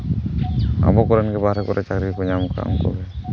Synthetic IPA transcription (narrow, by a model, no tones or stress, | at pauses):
a̰bɔkɔɾɛnɡɛbaɾɛkɔɾɛt͡ʃakɾikuɲamka̰mkɔ̰bɛ